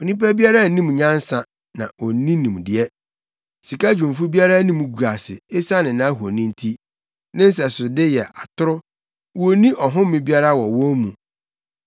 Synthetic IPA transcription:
o˨nĩ˦p̬a˦bi˦a˦ɾa˦˨˦nĩ˦m˨ɲã˦n˦sã˨ | nã̰˨o˨nĩ˦nĩ˨m˨dɪ˨ɛ˦ | si˨ka˦d͡ʑᶣũ˨ɱ˨fu˦bi˦a˦ɾa˦nĩ˦mũ˦ɡu˨ɾa˨sɪ˨ɪ˦sa˦nɪ̃˨nã˨˦ɦu˨o˨nĩ˦n̩˦tʰi˦ | nɪ̃˦n˦s̬ɛ˨sʊ˨dɪ˦jɛ˨ʔa˨tʰʊ˦ɾʊ˦ | wo˨nĩ˦ʔɔ˨ɦʊ̃˦m˦mɪ̃˦bi˦a˦ɾa˦wɔ˨wɔ̃˦mũ˨

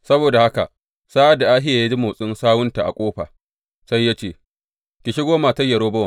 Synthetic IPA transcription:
sɐ˦boː˨da˨ha˦ka˨ | saː˦ʔa˦˨da˨ʔaː˦ɦɪ˦jaː˨ja˦d͡ʒi˦mʊ˨sʼɪ˦nsaː˦wʊ˦nta˨ʔa̰˨kʷʼoː˦ɸa̰ː˨ | sa˦jːa˦t͡ʃeː˦˨ | kʲɪ˨ʃɪ˦ɡʷoː˦maː˨tɐ˦jːɐ˨ɽoː˦bɐ˦a˨

